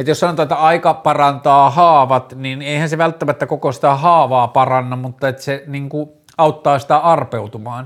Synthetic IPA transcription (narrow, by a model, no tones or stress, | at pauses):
et̪jossɑnot̪ɑːet̪ːæɑikɑpɑrɑnt̪ɑːhɑːʋɑt̪nineˑihænseʋælt̪ːæmæt̪ːækokosi̥t̪æhɑːʋɑːpɑrɑnːɑmmut̪ːɑet̪ːæ̥seniŋku | ɑˑut̪ːɑːsi̥t̪æɑrpeut̪umɑːn